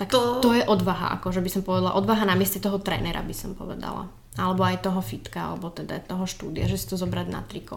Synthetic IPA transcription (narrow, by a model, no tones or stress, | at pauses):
t̪akt̪ɔjɛʔɔd̪ʋaɦa̰ʔa̰kɔʒɛbisɔmpɔʋɛd̪ala̰ʔɔd̪ʋaɦanamɪɛscɛt̪ɔɦɔt̪ɾɛ̰ːnɛɾa̰bisɔmpɔ̰ʋɛ̰d̪a̰la̰ | alɛbɔajt̪ɔɦɔfit̪kaa̰lɛbɔt̪ɛd̪a̰t̪ɔɦɔʃt̪uːd̪iaʒɛsi̥t̪ɔzɔbɾaɟna̰t̪ɾikɔ